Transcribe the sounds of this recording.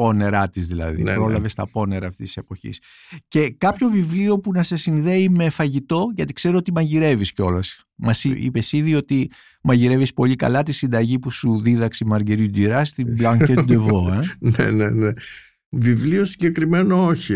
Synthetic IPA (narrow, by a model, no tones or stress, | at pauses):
po̞ne̞ɾɐt̪izðilɐ̰ðḭnpɾo̞lɐve̞st̪ɐpo̞ne̞ɾɐːft̪ist̪i̥se̞po̞çḭs | ce̞kɐpço̞vivlio̞punɐse̞sinðe̞ime̞fɐʝit̪o̞ʝɐt̪i̥kse̞ɾuot̪imɐʝiɾe̞visceo̞lɐs | mɐsiḭpe̞siðio̞t̪i | mɐʝiɾe̞vispo̞ʎikɐ̰lɐt̪isind̪ɐʝipusuðiðɐksimɐɾɟeɾit̪uɟ̪iɾɐst̪iblɐŋet̪d̪evo̞enḛnene | vivliosiɲɟe̞kɾime̞nooçi